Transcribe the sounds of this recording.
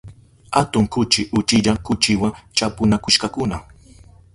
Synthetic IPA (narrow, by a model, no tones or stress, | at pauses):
hat̪ʊŋkʊt͡ʃɪʔʊt͡ʃɪʎakʊt͡ʃɪwaŋt͡ʃapʊnakʊʃkakʊna